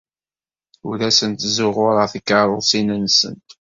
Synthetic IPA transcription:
ulæsənt̪zʊʁʊɾˤɑθikːəɾˤʊsinənsə̰nt̪

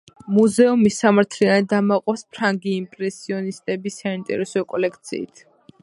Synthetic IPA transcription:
muzɛɔmisamaɾt̪ʰlianid̪amaqʼɔspʰɾaŋɡiːmpʼɾɛsiɔnist̪ʼɛbisaint̪ʼɛ̰ɾɛsɔkʼɔlɛk̚ʰt̪sʰḭːt̪ʰ

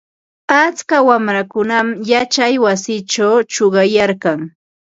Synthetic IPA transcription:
at͡skawamɾakʊnamjat͡ʃajwasɪt͡ʃawt͡ʃoɢɑjaɾkɑŋ

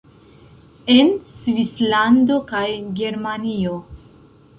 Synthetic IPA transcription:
e̞nsvislando̞kajɡe̞ɾmanio

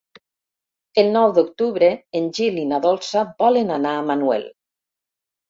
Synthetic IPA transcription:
elˠnɔwd̪ukt̪uβɾeːnʲʒilinaðɔlˠsabɔlenanaːmanuɛ̰l

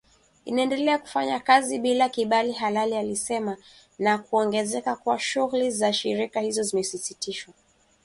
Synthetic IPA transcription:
inaɛndɛlɛaku̥faɲakaziɓilakiɓaliɦalalialisɛma | nakuɔŋɡɛzɛkakwaʃuɣulizaʃḭɾikahizɔzimɛsisitiʃwa

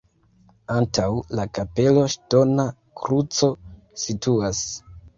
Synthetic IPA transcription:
antawlakape̞lo̞ʃto̞na | kɾut͡so̞ | situas

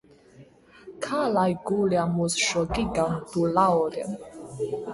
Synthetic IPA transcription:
kʰalajɡuliamusʃɔɡiɡamt̪ulaɔlɛm

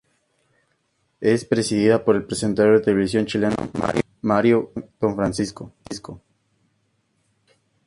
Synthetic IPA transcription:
espɾe̞siðiðapo̞ɾe̞lpɾesent̪aɾjoðet̪eleβisjo̞nt͡ʃilena̰ma̰ɾj | maɾjoð̥oɱfɾansiskoisko

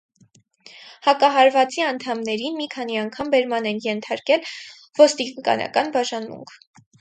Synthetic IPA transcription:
hɑkɑɦɑɾvɑt͡siɑnt̪ʰɑmnɛɾinmikʰɑniɑŋkʰɑmbɛɾmɑnɛnjɛnt̪ʰɑɾkɛl | v̥ɔst̪ikɑ̰nɑ̰kɑnbɑʒɑnmṵŋkʰ

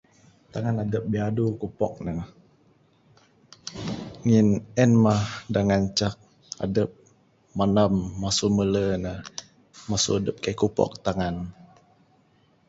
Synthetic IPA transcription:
t̪aŋanadəp̚biadukupɔ̰k̚nə | ŋinɛnmahdaŋant͡ʃak̚ | a̰dəp̚ | manamːasumələnə | masṵadəp̚kaikupɔ̰k̚t̪aŋan

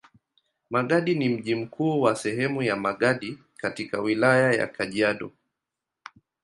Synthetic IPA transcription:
maɠaɗinim̩ʄim̩kʰuːwasɛɦɛmujamaɠaɗi | katikawilajaja̰kʰaʄiaɗɔ

